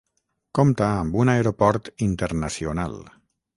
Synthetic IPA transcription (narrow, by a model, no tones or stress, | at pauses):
komt̪aːmbunaeɾopɔɾt̪int̪əɾnasiona̰lˠ